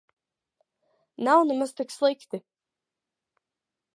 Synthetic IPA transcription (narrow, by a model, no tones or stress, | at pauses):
nawnɛmaz̥t̪ikslˠikt̪i